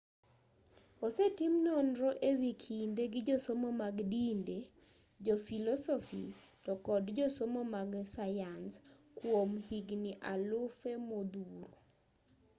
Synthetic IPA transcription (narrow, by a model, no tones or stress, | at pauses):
osetimnɔnɾɔʔewikʰindeɡɪd͡ʒosomomaɡdinde | d͡ʒɔfilɔsɔfḭtɔkɔdd͡ʒosomomaɡsajanskwomhiɡniʔalʊfemod̪uɾo